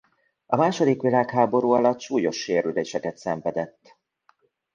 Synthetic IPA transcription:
ɒmaːʃo̞d̪ikʋilaːkɦaːbo̞ɾuːɒlɒt̪ːʃuːjo̞ʃːeːɾyleːʃɛkɛt̪sɛɱvɛd̪ɛt̪ː

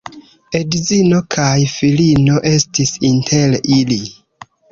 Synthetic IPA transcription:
e̞dzino̞kʰajfilino̞ʔe̞stisintʰe̞lili

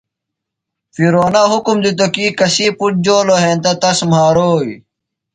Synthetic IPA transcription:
fiɾoːnaɦukumd̪it̪̬okikɐsiːpuʈ̚d͡ʑoːloɦeːnt̪ɐt̪ɐsm̤aːɾoːi

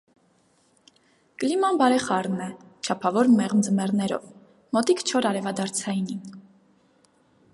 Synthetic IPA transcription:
kəlimɑnbɑɾɛχɑɾnɛt͡ʃʰɑpʰɑvɔɾmɛʁnd͡zəmɛʁnɛɾɔ̰v | mɔt̪ikt͡ʃʰɔɾɑɾɛvɑd̪ɑɾt͡sʰɑjnin

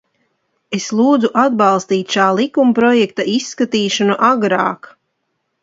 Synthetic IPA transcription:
eslˠuːd̪zuʔad̪bɑlˠst̪iːt̪ʲʃaːlˠikumpɾɔjɛk̚t̪aʔisːkat̪iːʃanuʔaɡɾaːk

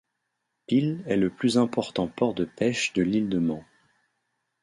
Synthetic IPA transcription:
pilɛləplyzɛ̃pɔʁt̪ɑ̃pɔʁd̪əpɛʃd̪əlild̪əmɑ̃

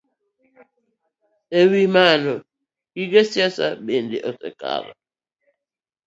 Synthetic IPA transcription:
ewimanɔ | iɡɛsjasa̰ɓendeʔɔsɛ̰ka̰ɾa̰

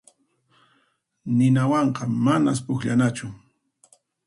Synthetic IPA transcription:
nɪnawɑɴqɑmanas̬pʊxʎanat͡ʃʊ

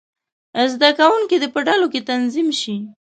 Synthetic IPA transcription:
zd̪akawuŋkid̪epəɖaloket̪anzimʃi

